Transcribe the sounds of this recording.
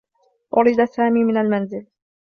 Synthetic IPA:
ʔʊɾɪd̪asaːmiːmɪnalmanzɪl

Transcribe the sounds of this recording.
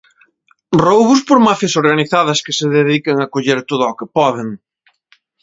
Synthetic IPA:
rowβʊspoɾmafjɐsoɾɣaniθað̞ɐskɪseðeðikeŋakoʎeɾt̪oðʊɔkepɔðeŋ

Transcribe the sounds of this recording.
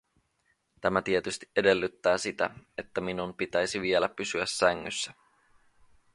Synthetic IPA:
t̪æmæt̪iet̪yst̪i̥ʔe̞de̞lːyt̪ːæːsit̪æe̞t̪ːæminumpit̪æjsiʋie̞læpːysyæsːæŋːysːæ̥

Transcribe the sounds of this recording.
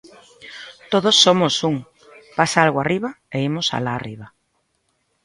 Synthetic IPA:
t̪oðosːomosuŋ | pasaalɣoariβa | eimʊsa̰laːriβa

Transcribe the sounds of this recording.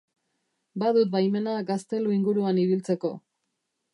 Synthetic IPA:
bað̞ut̪̚bajme̞naɡast̪e̞luiŋɡuɾuaniβilt͡se̞ko̞

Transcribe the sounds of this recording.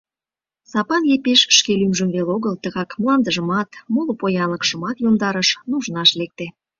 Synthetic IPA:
sɑpɑnjepeʃʃkelymʒəmβeloɣəlt̪əɣɑkməlˠɑnd̪əʒəmɑt̪molopojɑnləkʃəmɑt̪jomd̪ɑɾəʃnuʒnɑʃlek̚t̪e

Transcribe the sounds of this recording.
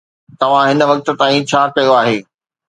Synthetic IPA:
t̪ɐʋ̤ãɦɪnə̆ʋɐk̚t̪ə̆t̪aːĩt͡ɕʰaːkɐjoaːɦeː

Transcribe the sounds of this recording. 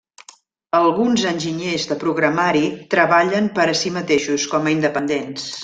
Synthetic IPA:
əlˠɣunzənʲʒiɲezðəpɾuɣɾəmaɾit̪ɾəβaʎəmpəɾəsimət̪eʃuskɔməind̪əpənd̪ens

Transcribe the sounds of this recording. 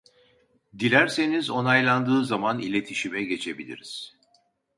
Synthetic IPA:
d̪ilʲæɾse̞nizo̞najlˠand̪ɯːzamanilʲe̞t̪ʰiʃimɛɟe̞t͡ʃʰe̞bilʲḭɾiz̥

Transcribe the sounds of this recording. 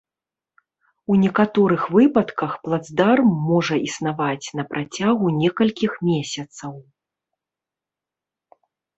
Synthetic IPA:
unʲɛkat̪ɔɾɨxvɨpɐt̪kɐxplˠad̪zd̪armːɔʐɐʔisnavat͡sʲnɐpɾat͡sʲaɣunʲɛkɐlʲkʲixmʲɛsʲɐt̪sɐw

